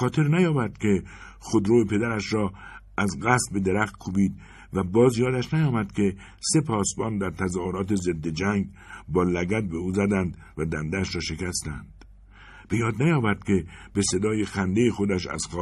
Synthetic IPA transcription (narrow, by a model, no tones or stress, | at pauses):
ɒːt̪ʰe̞ɾnæjɒːbæɾd̪̥kʲʰe̞ | xod̪ɾoepʰe̞d̪æɾæʃɾɒːʔæzɢæst̪̚be̞d̪e̞ɾæxt̪̚kʰuːbiːd̪̚ | væbɒːzjɒːd̪æʃnæjɒːmæd̪kʲʰe̞ | se̞pʰɒːsbɒːnd̪æɾt̪ʰæzɒːhoɾɒːt̪eze̞d̪ːe̞d͡ʒæŋɡ | bɒːlæɡæt̪̚be̞uːzæd̪ænd̪ | væd̪ænd̪ææʃɾɒːʃe̞kæst̪æ̰nd̪̥ | b̥e̞jɒːd̪næjɒːbæɾd̪̥̚kʲʰe̞be̞se̞d̪ɒːje̞xænd̪ejexo̞d̪æʃæ̰z̥xɒː